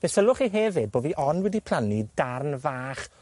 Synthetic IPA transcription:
vɛsəlˠʊχiɦɛvɪd̚boːviʔɔnwɛdipʰl̥ˠanidarnvaːχ

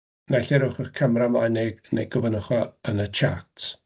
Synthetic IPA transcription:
naɬɛɾʊχəχkʰamramajnɛnejɡɔvənəχɔənət͡ʃʰa̰tʰ

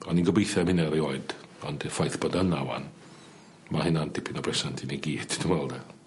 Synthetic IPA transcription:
ɔninɡɔbejθɛmhɪnɛɾioɨd̥ɔndɛfajθb̥ɔdənawa̰n | mahɪnandɪpʰinɔbrɛsantʰiniɡiːd̥d̥ʰinwɛlˠdɛ

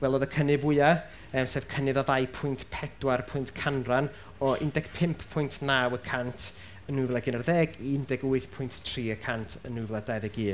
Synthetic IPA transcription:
wɛlˠoːðəkʰənɪvʊɨa | əːmseːv̥kʰənɨðɔðajpʰʊjntʰpʰɛd̥warpʰʊjntkʰanran | ɔʔɪndɛɡ̥pʰɪmpʰpʰʊjntʰnaːwəkʰantʰ | ənːuvlˠɛɡɪnərðɛːɡiɪndɛɡʊɨθpʰʊjnttʰr̥iːəkʰantʰənːuvlˠadajðɛɡiː

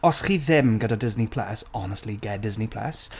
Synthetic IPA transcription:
ɔsχiːðɪmɡədadɪznipʰl̥a̰sɔnəstˡliɡɛdɪznipʰl̥a̰s

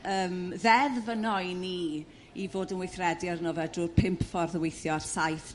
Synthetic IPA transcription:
əːmðɛðvənɔjni | ivoːdənwɪjθrɛdiarnoːvɛduːrpʰɪmpʰfɔrðəwejθjɔrsajθ

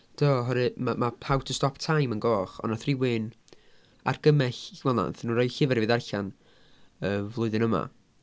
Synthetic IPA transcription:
d̥ʰoɦɔɾɨmamapʰawtʰəstɔptʰajmənɡɔːχɔ̰naθrɪwɪn | a̰rɡ̥əmɛɬwɛlˠa̰nθnuːɾɔjɬɪvɛɾvɨðarɬan | əːvlˠʊɨðɨnəma̰

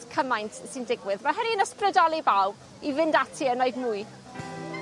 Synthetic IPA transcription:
kʰəmajntʰsɪndɪɡwɪðmaɦəniənəsprədɔlˠibaw | ivɪndatʰiənoɨðmuj

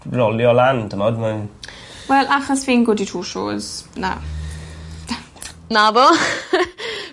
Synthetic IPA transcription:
rɔljɔlandəmɔdman | wɛlˠʔaχɔsfɪnɡʊditʰuːʃo̰ːz̥na̰ | nabɔ

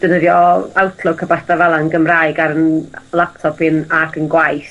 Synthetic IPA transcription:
d̥ənəðjɔawtʰlˠʊkʰabasdavalˠaənɡəmraɨɡaɾənlˠap̚tʰɔpɪnakʰənɡwajs

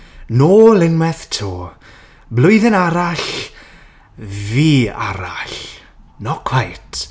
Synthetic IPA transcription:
noːlɪŋmɛθtʰoː | blˠʊjðɪnaɾaɬ | viːa̰ɾaɬ | nɔkʰw̥ajtʰ

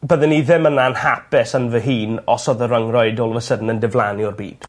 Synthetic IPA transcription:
bəðənːiðɪmənaənhapɪsənvəɦiːnɔsɔðəɾəŋrɔɨdoːlˠvəsədn̩əndɪvlˠaniɔrbḭːd̥

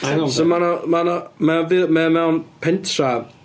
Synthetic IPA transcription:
somanɔmanɔmɛnvɪmɛmɛwnpʰɪntʰra

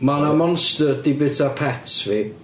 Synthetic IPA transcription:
manamɔnstərdibɪtʰapʰɛtvi

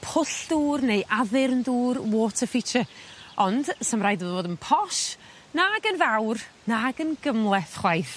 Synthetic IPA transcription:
pʰʊɬd̥uːrnejʔaðɪrnduːrwoːtʰəfɪt͡ʃʰəɔnd̥səmrajdəðvoːdənpʰɔʃ | naɡənvawr | naɡənɡəmlˠɛθχwajθ

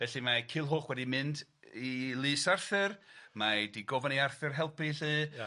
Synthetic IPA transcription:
vɛɬimakʰɪlˠɦoːχwɛdimɨndilˠɨːsarθɨrmadiɡɔvaniarθɨrɦɛlˠpiɬɨː

